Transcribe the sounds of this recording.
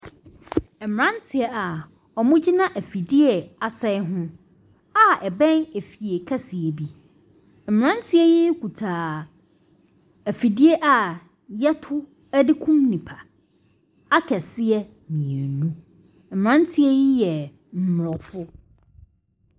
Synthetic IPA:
ɛ˨m˨ɾã˦n˦tʰɪ˨ɛ˦a˨ | ɔ˨mʊ̃˦d͡ʑi˦nã˦ʔæ˨fi˨di˦ɛ˨a˨sɛ˦ɪ˦ɦʊ̃˦ | a˦ɛ˨bɛ̃˦ne˨fi˨e˨kʰa˦sɪ˨e˨bi˦ | m̩˨m˨ɾã˦n˦tʰɪ˦ɛ˦jɪ˦kʰu˨tʰaː˨ | æ˨fi˨di˦e˦ʔa˨ | jɛ˦tʰʊ˦ | æ˦dɪ˦kʰũ˦mnĩ˨pʰa˨ | a˦kʰɛ˨sɪ˦ɛ˦ | mĩ˨æ˨nũ˦ | m̩˨m˨ɾã˦n˦tʰɪ˦ɛ˦jɪ˦jɛ˨ | m̩˨m˨ɾɔ˨fʊ˦

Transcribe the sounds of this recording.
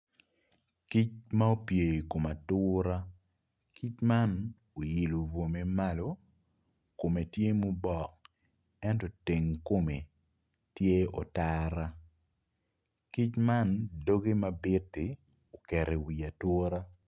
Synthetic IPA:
ki˦t͡ʃma˦o˦pje˨ko˨ma˨tʊːɾa˦ | kʰi˦t͡ʃma˦n | o˨ji˨lo˨vo˨me˦ma˦lo˨ | ko˨me˨tje˦mo˦bɔ˦˨k̚ | ɛ˦ntɔ˨te˨ŋko˦me˨ | tje˦ɔ̰˨taɾa˦ | ki˦t͡ʃma˦ndo˦ɡe˦mabɪ˦tːɪ˨ | o˨kɛ˨ɾe˨wi˨a˨tʊ˦ɾa˦

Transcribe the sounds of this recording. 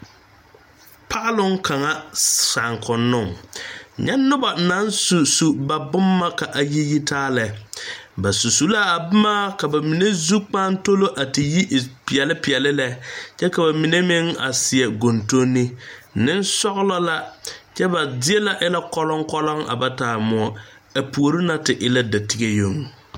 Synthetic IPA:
pʰa˦ʔlʊ˦ŋkʰa˨ŋa˦sa˨ŋkʰʊ˨nːʊ˦˨ŋ | ɲɛ˦nːʊ˦ba˨na˨˦n˦su˨su˨ba˨bʊ˦mːa˦ka˨ʔa˨ji˦ji˦tʰaː˦lɛ˨˦ba˨su˨su˨la˦a˨bʊ˦maː˦ka˨ba˨mi˨ne˦zu˦k͡paː˦n˦to˦lo˦ʔa˨tɪ˨ji˦ʔpɪ˨ɛ˨lɪ˦pɪ˨ɛ˨lɪ˦lɛ˦t͡ʃɛ˦ka˨ba˨mi˨ne˦mɪ˦ŋa̰˨sɪ˨ɛ˨ɡo˨nto˦nːɪ˦nɪ˦n˦sɔ˦ɣlɔ˦la˦t͡ʃɛ˦ba˨dɪ˦ɛ˦la˦ʔɪ˦la˦kɔ˦lɔ˦ŋkɔ˦lɔ˦ŋa̰˨ba˦taː˨mʊ˨ɔ˦ | a˨pu˨o˨ɾi˦na˦tɪ˨ʔɪ˦la˦da˨ti˦ɡe˦jo˦˨ŋ˨

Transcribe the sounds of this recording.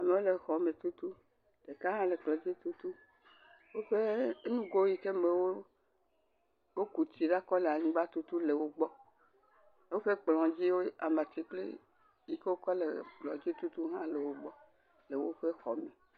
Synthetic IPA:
a˨me˨wo˦le˨xɔ˨me˨t̪u˦t̪u˦ | ɖ̥e˨ka˦ɦã˦le˨k͡plɔ˨d͡ʑi˦t̪u˦t̪u˦ | wo˦ɸe˦nũ˦ɡo˦ji˨te˦me˨wo˦ | wo˦ku˨t͡ɕi˨ɖa˦kɔ˦le˨a˨ɲĩ˦ɡ͡ba˦t̪u˦t̪u˦le˨wo˦ɡ͡bɔ˦ | wo˦ɸe˦k͡plɔ̃˨d͡ʑi˦wo˦a˨mã˨t̪i˨˦k͡plḛ˦ | ji˦ke˦wo˦kɔ˦lḛ˨k͡plɔ˨d͡ʑi˦t̪u˦t̪u˦ɦã˦le˨wo˦ɡ͡bɔ˦ | le˨wo˦ɸe˦xɔ̰˨me˨

